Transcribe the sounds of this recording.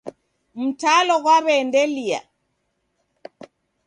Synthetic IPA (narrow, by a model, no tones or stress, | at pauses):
m̩talɔɣwaβɛndɛlia̰